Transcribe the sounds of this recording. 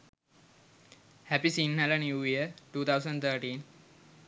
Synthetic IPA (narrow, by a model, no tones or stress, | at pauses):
hæpisinhɛlənjuːjiəʈuːt̪ʰawsə̃ɳɖt̪ʰəːʈĩːn